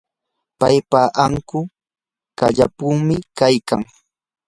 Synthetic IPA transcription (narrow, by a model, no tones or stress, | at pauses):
pajpaʔaŋkʊ | kaʎa̰puŋmɪkajka̰ŋ